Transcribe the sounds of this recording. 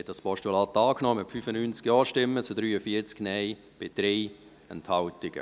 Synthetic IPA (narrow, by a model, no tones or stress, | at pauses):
hɛt̚d̥ɑspɔʃtulɑːt̪ːɑːknɔməpfyfənynt͡skjɔːʃtɪmːət͡sudɾyːəfiət͡sknɛɪ | b̥ɪd̥ɾɛː | ə̰nthɑltɪɡ̥ə̰